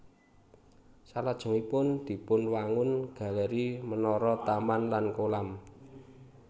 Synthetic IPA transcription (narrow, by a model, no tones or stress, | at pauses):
salad̥ʒ̥ɔ̤ŋipʊnd̪̥i̤pʊnwaŋʊnɡ̥a̤ləɾimənɔɾɔt̪amanlankolam